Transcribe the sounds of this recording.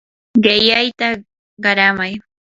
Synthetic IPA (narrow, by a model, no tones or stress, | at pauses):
ɢɪjajt̪a | ɢɑɾamaj